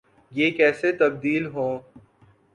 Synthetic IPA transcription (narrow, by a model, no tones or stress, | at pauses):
jeːkɛːset̪ɐb̚d̪iːlɦõː